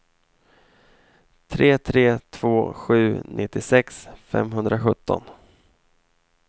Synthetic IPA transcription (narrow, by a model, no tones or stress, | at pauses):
t̪ʰɾeːt̪ʰɾeːt̪ʰv̥oːɧʉ̟ːnʔɪt̪ːɪsɛksfɛ̰mɦɵnd̪ɾaɧɵt̪ːɔ̰n